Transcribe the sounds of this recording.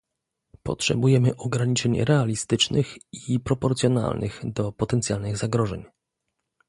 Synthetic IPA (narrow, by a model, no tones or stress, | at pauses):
pɔ̰tʂɛ̰bujɛmɘʔɔɡɾaɲit͡ʂɛɲɾɛalʲist̪ɘt͡ʂnʔɘxipɾɔpɔɾt̪sʲjɔna̰lnʔɘ̰ɣd̪ɔpɔt̪ɛnt̪sʲjalnɘɣzaɡɾɔʐɛ̰ɲ